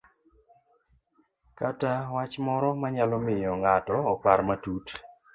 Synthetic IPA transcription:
katawat͡ʃmɔɾɔmaɲalɔmɪjɔŋatɔːpaɾmatut

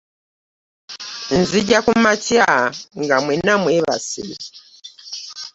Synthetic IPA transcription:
n̩ziɟakumatiaŋɡamwɛnamwɛβa̰sḭ

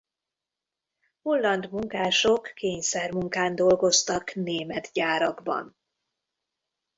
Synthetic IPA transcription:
holːɒnd̪muŋkaːʃo̞kːeːɲsɛrmuŋkaːnd̪o̞lɡo̞st̪ɒkneːmɛt̪ɟaːɾɒɡbɒ̰n

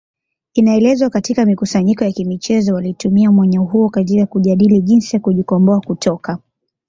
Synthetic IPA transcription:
inaɛlɛzwakatikamikusaɲikɔjakimit͡ʃɛzɔwalitumiamwaɲɔɦuɔkatikakuʄaɗiliʄinsijakuʄikɔmbɔakutʰɔka

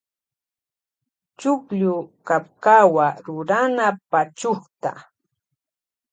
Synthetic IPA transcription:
t͡ʃʊkʎʊkapkawaɾʊɾanapat͡ʃoχt̪a̰

